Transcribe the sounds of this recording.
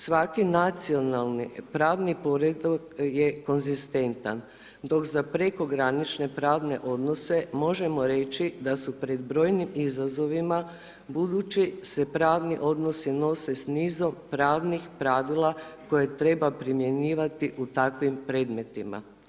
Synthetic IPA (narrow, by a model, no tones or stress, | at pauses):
sʋakinat̪sio̞nalˠnipɾaːʋnipo̞ɾed̪okje̞ko̞nzist̪e̞nt̪a̰n | d̪o̞kzapɾe̞ko̞ɡɾanit͡ʃne̞pɾaːʋne̞ʔo̞d̪no̞se̞mo̞ʒe̞mo̞ɾe̞t͡ʃid̪asupɾe̞d̪bɾo̞ːjnimizazo̞ʋima | bud̪ut͡ʃise̞pɾaːʋniʔo̞d̪no̞sino̞se̞sniːzo̞mpɾaːʋnixpɾaʋilˠako̞je̞t̪ɾe̞bapɾimje̞niːʋat̪iʔut̪akʋimpɾe̞ːd̪me̞t̪ima̰